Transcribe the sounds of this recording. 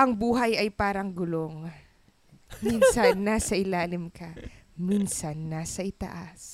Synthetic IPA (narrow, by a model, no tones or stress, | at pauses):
ʔɐŋbuːɦɐjɐjpaːɾɐŋɡʊloŋ | minsɐnːasɐʔɪlaːlɪmkɐminsɐnːaːsɐʔɪt̪ɐ̰ʔas